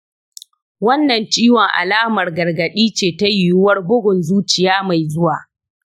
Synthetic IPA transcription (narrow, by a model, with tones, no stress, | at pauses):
wɐ˦nːɐ˨nt͡ʃiː˦wɔ˨ŋʔa̰˨laː˦mɐ˨rɡɐ˨rɡɐ˨ɗiː˦t͡ʃeː˨ta˦jʊ˨jʊ˦wɐ˦rbʊ˦ɡʷʊ˨nzuː˦t͡ʃɪ˨jaː˦ma˨jzʊ˦waː˨